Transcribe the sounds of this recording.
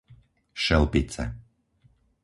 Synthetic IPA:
ʃɛlˠpit͡sɛ̰

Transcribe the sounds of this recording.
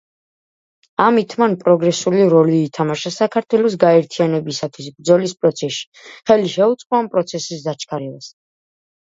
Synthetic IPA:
amit̪ʰmanpʼɾɔɡɾɛsuliɾɔliːt̪ʰamaʃasakʰaɾt̪ʰwɛlɔs̬ɡaɛɾt̪ʰianɛbisat̪ʰwisbɾd̪zɔlispʼɾɔt̪sʰɛʃi̥χɛliʃɛut̪sʼqʼɔampʼɾɔt̪sʰɛsisd̪at͡ʃʰkʰaɾɛbas

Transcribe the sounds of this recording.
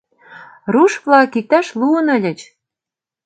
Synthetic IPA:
ruʃvlɑkik̚t̪ɑʃluənə̆lʲə̆t͡ɕ

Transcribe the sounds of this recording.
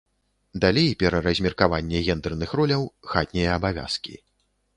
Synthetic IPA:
d̪alʲejpʲɛɾɐɾɐzʲmʲɛrkavanʲːɛɣʲɛnd̪ɛrnɨxɾɔlʲɐwxat̪̚ʲnʲɛjɐːbavʲa̰skʲḭ

